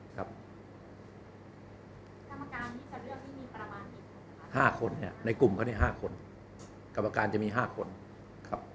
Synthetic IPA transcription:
kʰa˦˥p̚ | a˧mː˧kaː˧ni˥˩a˧˩ɾɯ˥˩əŋtʰiː˥˩miː˧ɾa˧maː˧ni˨˩ | haː˥˩kʰo˧nːi˥˩ɐna˧jku˨˩mkʰa˥˦ni˥˩ɦaː˥˩kʰo˧n | ka˨˩pʔaː˧kaː˧nt͡ɕa˨˩miː˧ɦaː˥˩kʰo˧n | kʰa˦˥p̚

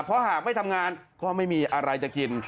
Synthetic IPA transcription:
pʰɔ˦˥haː˨˩k̚ma˥˩jt̪ʰmŋaː˧nkɔː˥˩ma˥˩jmiː˧ʔa˧ɾa˧jt͡ɕa˨˩ki˧n

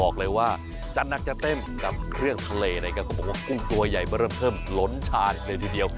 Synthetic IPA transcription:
ɔː˨˩k̚lɤː˧jwaː˥˩ | t͡ɕa˨˩na˦˥k̚t͡ɕa˨˩t̪e˥˩mka˨˩p̚kʰɾɯ˥˩əŋt̪ʰa˧leː˧na˧˩jka˧˩kʰɔ˧˩ɔ˨˩k̚waː˥˩ku˥˩ŋt̪u˧ɐja˨˩jmaː˥˩ɾɤː˥˩mpʰɤː˥˩mlo˦˥nt͡ɕʰaː˧n˨˧kləː˧jt̪ʰiː˧di˧əw

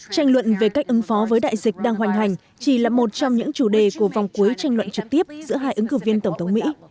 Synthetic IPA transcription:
t͡ɕa˧jŋ̟lwə̰˧˨nve˨˩ka˦˥jk̚ʔɨ˨˦ŋfɔ˨˦vəː˨˦jɗa̰ː˧˨jzï˨˩k̟̚ɗaː˧ŋɦa˨˩jŋ̟ɦa˨˩jŋ̟ | t͡ɕi˧˩laː˨˩mo˨˩t̚t͡ɕɔ˧wŋ͡mɲɨ̰˧˥ŋt͡ɕu˧˩ɗe˨˩ku˧˩əva˨˩wŋ͡mku˨˦əjt͡ɕa˧jŋ̟lwə̰˧˨nt͡ɕɨ˨˩k̚t̪i˦˥əp̚zɨ̰˧˥əɦaː˧jʔɨ˨˦ŋkɨ˧˩vi˧ənt̪ə˧˩wŋ͡mt̪ʰə˨˦wŋ͡mmḭ˧˥

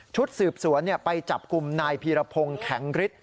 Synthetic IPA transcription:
t͡ɕʰu˦˥t̪̚sɯː˨˩p̚su˩˦ənːi˥˩əpa˧jt͡ɕa˨˩p̚ku˨˧mnaː˧jpʰiː˧ɾa˧pʰo˧ŋkʰɛ˩˦ŋɾi˦˥t̪̚

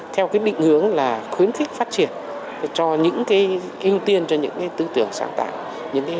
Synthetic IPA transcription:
t̪ʰɛ˧wkaː˨˦jɗḭ˧˨ŋ̟hɨ˨˦əŋlaː˨˩xwi˨˦ənxi˦˥k̚faː˦˥t̚t͡ɕi˨˩ən˨˩ | t͡ɕɔ˧ɲɨ̰˧˥ŋkaː˨˦j | ʔi˧əwt̪i˧ənt͡ɕɔ˧ɲɨ̰˧˥ŋkaː˨˦jt̪ɨ˧t̪ɨ˨˩əŋsa̰ː˨˦ŋt̪a̰ː˧˨ŋ | ɲɨ̰˧˥ŋka˨˦

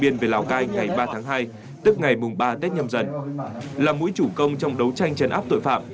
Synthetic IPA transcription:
ɓi˧ənve˨˩laː˨˩wkaː˧jŋŋa˨˩jɓaː˧t̪ʰaː˨˦ŋɦaː˧j | t̪ɨ˦˥k̚ŋa˨˩jmʊ˨˩ŋ͡mɓaː˧t̪e˦˥t̚ɲə˧mzə˨˩nlaː˨˩mṵ˧˥jt͡ɕu˧˩kə˧wŋ͡mt͡ɕɔ˧wŋ͡mɗə˨˦wt͡ɕa˧jŋ̟t͡ɕə˨˩nʔaː˦˥p̚t̪o̰˧˨jfa̰ː˧˨m

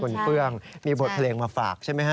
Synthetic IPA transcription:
o˧nkɯ˥˩əŋmiː˧bo˨˩t̪̚pʰa˧leː˧ŋmaː˧faː˨˩k̚t͡ɕʰa˥˩jma˦˥jka˥

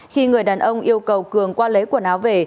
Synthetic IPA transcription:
xi˧ŋɨ˨˩əjɗaː˨˩nʔə˧wŋ͡mʔi˧əwkə˨˩wkɨ˨˩əŋkwaː˧lə˨˦jku˧˩ənaː˨˦wve˨˩

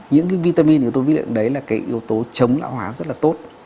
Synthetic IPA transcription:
ɲɨ̰˧˥ŋka˨˦jvi˧t̪aː˧mi˧n˨˩t̪o˧jvi˦˥lḭ˧˨nɗə˨˦jlaː˨˩kaː˨˦jʔi˨˦əwt̪o˨˦t͡ɕə˨˦wŋ͡mla̰ː˧˨whwaː˨˦zə˦˥t̚laː˨˩t̪o˦˥t̚

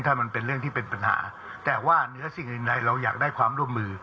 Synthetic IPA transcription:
ŋt̪ʰaː˥˩ma˧npe˧nɾɯ˥˩əŋt̪ʰiː˥˩pe˧npa˧nha̰ː˩˦ | t̪ɛː˨˩waː˥˩nɯ˨˦˥ɐsi˨˩ŋʔɯ˨˩ŋɾa˧jɾa˧wja̰ː˨˩k̚daː˥˩jkʰwaː˧mɾu˥˩əmːɯː˧

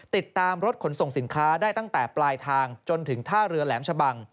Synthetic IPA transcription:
t̪i˨˩t̪ːaː˧mɾo˦˥t̪̚kʰo˩˦nso˨˩ŋsi˩˦nkʰaː˦˥daː˥˩jt̪a˥˩ŋt̪ɛː˨˩plaː˧jt̪ʰaː˧ŋt͡ɕo˧nt̪ʰɯ˩˦ŋt̪ʰaː˥˩ɾɯ˧ɐlɛː˩˦mt͡ɕʰa˧ba˧ŋ

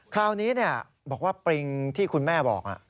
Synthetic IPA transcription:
kʰɾaː˧wniː˦˥ni˥˩ɐ | bɔː˨˩k̚waː˥˩pɾi˧ŋt̪ʰiː˥˩kʰu˧nmɛː˥˩bɔ̰ː˨˩k̚ʔa̰˨˩ʔ

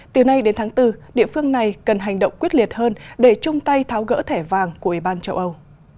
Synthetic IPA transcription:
t̪ɨ˨˩na˧jɗe˨˦nt̪ʰaː˨˦ŋt̪ɨ˧ɗḭ˧˨fɨ˧əŋna˨˩jkə˨˩nɦa˨˩jŋ̟ɗə̰˧˨wŋ͡mkwi˦˥ət̚li˨˩ət̚həː˧nɗe˧˩t͡ɕʊ˧ŋ͡mt̪a˧jt̪ʰaː˨˦wɣə̰ː˧˥t̪ʰɛ˧˩vaː˨˩ŋku˧˩əʔi˧˩ɓaː˧nt͡ɕə˧wʔə˧w

